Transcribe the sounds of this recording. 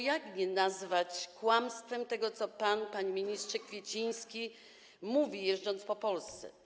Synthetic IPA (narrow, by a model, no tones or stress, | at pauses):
jaɡɲɛnazvat͡ɕkwamst̪fɛmt̪ɛɡɔt̪sɔpanpaɲimʲiɲistʂɛkfʲjet͡ɕij̃skʲi | muvʲijɛʐd͡ʐɔnt̪spɔpɔlst̪sɛ̰